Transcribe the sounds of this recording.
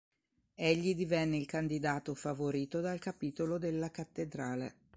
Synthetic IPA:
eʎːid̪ivɛnːeilkand̪id̪aːt̪ofavoɾiːt̪od̪alkapiːt̪olod̪elːakat̪ːed̪ɾaːlḛ

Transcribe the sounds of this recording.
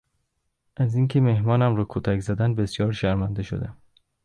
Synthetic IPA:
ʔæziːŋcʲʰe̞mehmɒːnæmɾɒːkʰot̪ʰækzæd̪ænbesjɒːɾʃæɾmænd̪eʃo̰d̪æm

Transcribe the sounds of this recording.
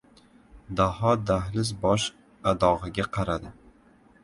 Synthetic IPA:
d̪ahɒd̪ahlɪs̬bɒʃ | ad̪ɒʁɨɡʲaqʰɑɾad̪ɪ

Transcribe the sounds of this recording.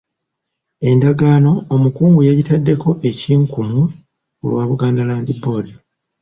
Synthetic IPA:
e̞ndaɡaːno̞ːmukuːŋɡujeɟitadːe̞ko̞ʔe̞ciːŋkumu | ṵlwaːβuɡaːndalaːndibo̞ːdi

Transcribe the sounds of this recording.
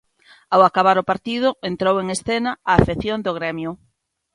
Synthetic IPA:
awakaβ̞aɾopaɾt̪iðʊent̪ɾoweŋesθenɐaːfeθjond̪oɣ̞ɾɛmjʊ

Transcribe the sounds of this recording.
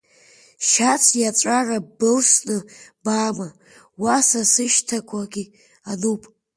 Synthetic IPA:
ʃat͡sʰjat͡sʷʼarabɨlsnɨbaːma | wasasɨʃtʰakʷʰaɡʲi | anupʼ

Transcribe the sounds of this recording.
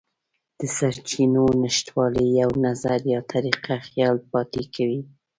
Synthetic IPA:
d̪̥əsaɾt͡ʃinonəʃt̪wɑləjawnazaɾjɑt̪ʰaɾiqaxjɑlpɑt̪ekʰawi

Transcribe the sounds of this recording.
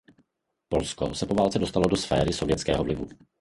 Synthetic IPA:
po̞lsko̰sɛpovaːlt͡sɛdost̪alodosfɛ̰ːɾɪso̞vjɛt͡skɛːɦɔvlɪvu

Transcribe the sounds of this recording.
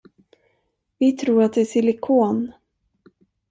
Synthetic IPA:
vɪt̪ʰɾuːɾat̪̚d̪ɛæsɪlɪkʰoːn

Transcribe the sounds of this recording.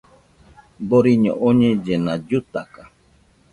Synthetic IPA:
boɾiɲõ̰ʔoɲẽd͡ʒenad͡ʒut̪aka

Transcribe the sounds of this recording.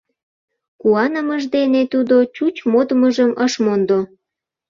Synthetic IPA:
kuɑnəməʒd̪enet̪ud̪ot͡ɕut͡ɕmod̪əməʒəmʔəʃmond̪o

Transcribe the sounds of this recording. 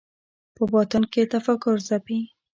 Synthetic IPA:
pəbɑt̪ənket̪afakʊɾzapi

